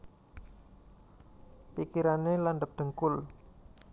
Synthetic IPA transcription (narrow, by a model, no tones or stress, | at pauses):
pikiɾanelanɖəp̚ɖ̪̥ə̤ŋkʊl